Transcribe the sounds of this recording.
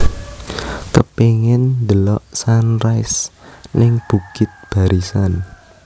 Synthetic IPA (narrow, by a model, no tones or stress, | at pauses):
kəpeŋɪnd̪əlɔʔsanrajsnɪŋb̥ukɪt̪̚b̥a̤ɾisan